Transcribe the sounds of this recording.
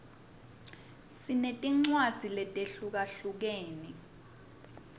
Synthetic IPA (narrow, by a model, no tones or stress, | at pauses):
sinetʼiŋ͡ǀwad̥ʱilɛtʼeɬuk̬aɬuk̬eːni